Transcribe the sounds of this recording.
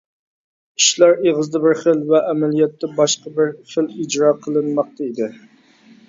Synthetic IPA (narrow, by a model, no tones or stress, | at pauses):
i̥ʃlɑɾeʁəzd̪ɛbɪɾχəlvɛʔæmælijɛt̪ːɛbɑʃqɑbɪɾχəlid͡ʒɾɑqʰəlˠɨnmɑq̚t̪ʰɑid̪ɪ